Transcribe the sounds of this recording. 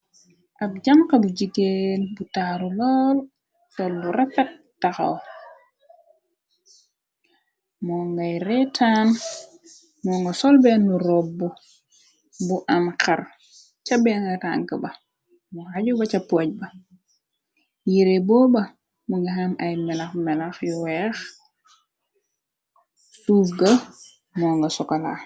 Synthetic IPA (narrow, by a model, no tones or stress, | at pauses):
ʔab̚d͡ʒamkabud͡ʒikenbutaɾulɔːl | sɔlbuɾafat̚ | tːaxa̰w | mɔŋɡajɾɛtʰan | mɔŋɡɔsɔlbɛnuɾɔbːɔ | buʔamka̰ɾ | t͡ʃabeŋɡata̰ŋkaba | muaɟubat͡ʃapːoɟ̚ba | jiɾeboba | muŋɡaɦanajmɛlaxmɛlaxjuwɛx | suːfɡa | mɔŋɡasɔkala̰